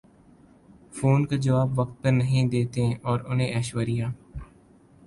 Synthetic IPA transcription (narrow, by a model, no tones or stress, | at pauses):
foːnkad͡ʒɐʋaːbʋɐk̚t̪̚pɐɾnɐɦĩd̪eːt̪ẽʔɔːɾʊnɦẽʔɛːʃwəɾijaː